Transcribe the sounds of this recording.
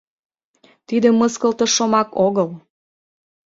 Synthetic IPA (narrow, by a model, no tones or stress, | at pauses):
t̪id̪ə̆mːəskəlt̪ə̆ʃomɑkoɣəl